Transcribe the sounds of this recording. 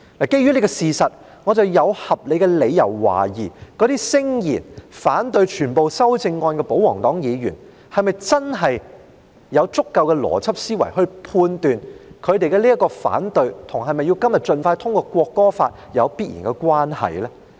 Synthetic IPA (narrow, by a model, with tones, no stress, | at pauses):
laː˨˩ke˥jɥy˥le˨˩kɔ˧siː˨˩sɐ˨t̚ | ŋɔː˨˧t͡sɐ˨˧wjɐ˨˧whɐ˨p̚le˨˧jkɛ˧le˨˧jjɐ˨˩wːa̰ː˨˩jiː˨˩kɔː˨˧˥t̪iː˥sɪ˥ŋjḭː˨˩nfaː˨˥nt̪ɵ˧ɥt͡ʃʰyː˨˩npo˨wsɐ˥wt͡sɪ˧ŋːɔː˧nkɛ˧po˨˥wɔ̰ː˨˩ŋt̪ɔː˨˥ŋjiː˨˧ɥy̰ː˨˩n | hɐ˨jmɐ˨jt͡sɐ˥nɦɐ˨j | jɐ˨˧wt͡sʊ˥kːɐ˧wkɛ˧lɔ̰ː˨˩t͡sʰɐ˥p̚siː˥wɐ˨˩jɦɵ˧ɥpʰuː˧nt̪yː˨nkʰɵ˨˧ɥt̪e˨jkɛ˧liː˥ɐ˥kɔː˧fa̰ː˨˥nt̪ɵ˧ɥt̪ʰʊ˨˩ŋɦɐ˨jmɐ˨ji˧wkɐ˥mjɐ˨t̚t͡ʃɵ˨˧nfaː˧jt̪ʰʊ˥ŋkɔː˧kwɔː˧kːɔː˥faː˧t̚ | jɐ˨˧wpiː˥t̚jḭː˨˩nkɛ˧kwaː˥nhɐ̰˨jlɛː˥